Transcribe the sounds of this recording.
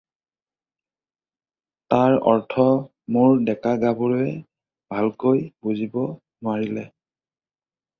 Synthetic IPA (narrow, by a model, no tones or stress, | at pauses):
taɹɔɹtʰɔ | mʊɹdɛkaɡabʊɹɛ | bʱalkojbuzibɔ | nʊwaɹilɛ